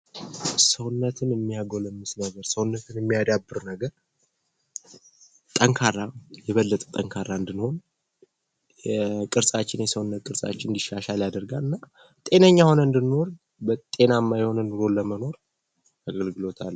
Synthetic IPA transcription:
səwnːət̪ʰɨnjɛmːijaɡoləmːɨsnəɡəɾsəwnːət̪ʰɨnjɛmːijad̪abːɨɾnəɡəɾ | t̪ʼəŋkʰarːajɛβəlːət̪ʼt̪ʼəŋkʰaɾːaɨnd̪ɨnho̞n | kʼɨɾsʼat͡ʃːɪnjɛsəwnːət̪kʼɨɾsʼa̰t͡ʃːɪnɨnd̪iʃːaʃaljad̪əɾɡalɨnːa | t̪ʼe̞nəɲːaho̞nəɨnd̪ɨnːo̞ɾ | bət̪ʼe̞namːajho̞nɨnɨɾo̞ləməno̞ɾ | aɡəlɡɨlo̞t̪ʰa̰lː

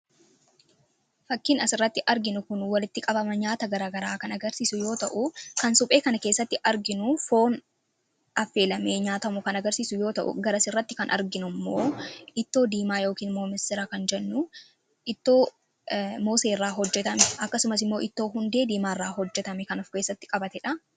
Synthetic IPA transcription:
fɐkːɪnɐsɪrːɐt̪ːɪʔɐɾɡɪnʊkʊnwɐlɪt̪ːɪkʼɐbɐmɐɲaːt̪ɐɡɐɾaːɡɐɾaːkɐnɐɡɐɾsiːsʊjo̞ːt̪ɐʔʊkɐnsʊpʼe̞ːkɐnɐkeːsːɐt̪ːɪʔɐɾɡɪnʊfo̞ːn | ɐfːe̞ːlɐme̞ːɲaːt̪ɐmʊkɐnɐɡɐɾsiːsʊjo̞ːt̪ɐʔʊ̰ɡɐɾɐsɪrːɐt̪ːɪkɐnʔɐ̰ɾɡɪnʊmːoːɪt̪ːo̞ːd̪iːmaːjo̞ːkiːnmoːmɪst̪ɪɾakɐnd͡ʒɛnːʊ | ʔɪt̪ːo̞ː | mo̞ːseːrːaːɦɔd͡ʒːɛt̪ɐmɛʔɐkːɐsʊmɐsɪmːo̞ːʔɪt̪ːo̞ːɦʊnd̪e̞ːd̪iːmaːrːaːɦɔd͡ʒːɛt̪ɐmɛkɐnɔfke̞ːsːɐt̪ːɪ̥kʼɐbɐt̪ɛᶑɐ

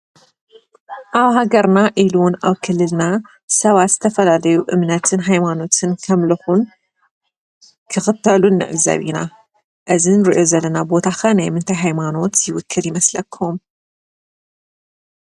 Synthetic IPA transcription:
ʔaβɦaɡɐɾnaʔiluna̰βkʰɨlːɨlna | sɐβat̪z̥ɨt̪ʰɐfɐlalɐjuʔɨmnɐt̪ʰɨnɦajmano̞t̪ʰɨnkʰɐmlɐxun | kʰɨxɨt̪ʰːɐlunːɨ̰ʕɨzɐ̰βḭna̰ | ʔɨzinɨɾiʔo̞zɐlːɐnabo̞t̪ʰaxɐnajmɨnt̪ʰajɦajmano̞t̪jɪwʊkʰːɨljɪmɐslɐkʰːum

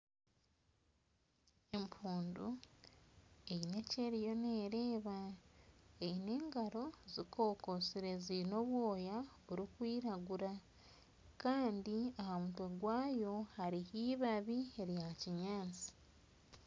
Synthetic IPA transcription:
e̞mpʰuːndu | eine̞ce̞ɾijo̞neːɾe̞ːβa | eine̞ːŋɡaɾo̞zikʰo̞ːko̞siɾe̞zino̞βwo̞ːjaβuɾikwiːɾaɡuɾa | kaːndiahamutweɡwaːjo̞haɾihiːβaβie̞ɾjaciɲaːnt͡si̥

